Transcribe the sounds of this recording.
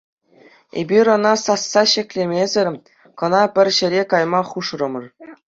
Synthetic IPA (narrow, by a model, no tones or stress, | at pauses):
ḛbʲiɾʲɤ̆nɑsɑsːɑɕɘ̆kʲlʲemʲezʲɘ̆rʲ | kɤ̆nɑpʲɘ̆rʲɕɘ̆ɾʲekɑjmɑχuʂrɤ̆mɤ̆r